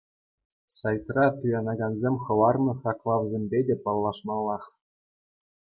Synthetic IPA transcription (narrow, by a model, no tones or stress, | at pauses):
sɑjt͡srɑt̪ujɑnɑɡɑnzʲemʲχɤ̆lɑrnɤ̆χɑklˠɑʋzʲemʲbʲedʲepɑlˠːɑʂmɑlˠːɑχ